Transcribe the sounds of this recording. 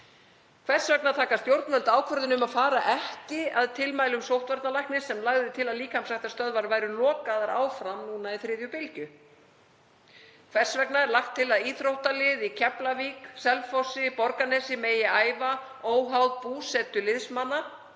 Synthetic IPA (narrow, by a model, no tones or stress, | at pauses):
kʰvɛr̥svɛknat̪ʰaːkast̪jowɾt̪nmœlt̪aːwkʰvœɾðʏnʏmaðfaːɾaʔɛhcɪaðt̪ʰɪlmaːjlʏmsowht̪vaɾt̪nalajhknɪsɛmlaɣðɪt̪ʰɪlaðliːkamsajht̪ast̪œðvaɾvaːjɾʏlɔːkaðaɾa̰ːwfɾamnuːnaiθɾɪːðjʏpɪlcʏ | kʰvɛr̥svɛknaɛɾlaxt̪ʰːɪlaðiːθɾowht̪alɪðicʰɛplaviːksɛlfɔsɪpɔɾkanɛsɪmeːjɪaːjva | oːwɦawðpuːsɛt̪ʏlɪðsmanːa